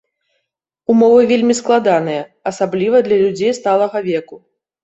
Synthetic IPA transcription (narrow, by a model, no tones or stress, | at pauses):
umɔvɨvʲelʲmʲisklˠad̪anɨjɐɐsablʲivɐd̪lʲɐlʲud͡zʲejst̪alˠɐɣɐvʲɛku